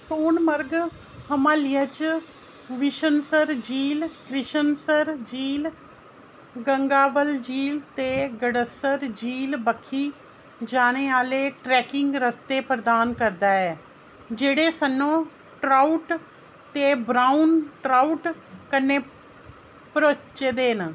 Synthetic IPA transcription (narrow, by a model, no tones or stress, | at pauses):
soːnməɾɡ | həmãːlɪət͡ʃ | ʋɪʃənsəɾd͡ʒiːlkɾɪʃənsəɾd͡ʒiːl | ɡəŋɡaːbəld͡ʒiːlt̪eɡəɽəsəɾd͡ʒiːlbəkʰːi | d͡ʒaːñeːaːleːʈɾɛːkɪŋɡɾəst̪eːpɾəd̪aːnkəɾd̪aːɛː | d͡ʒeːɽeːsənːõː | ʈɾaːuʈ | t̪eːbɾaːunʈɾaːuʈkənːeː | pəɾoːt͡ʃeːd̪eːn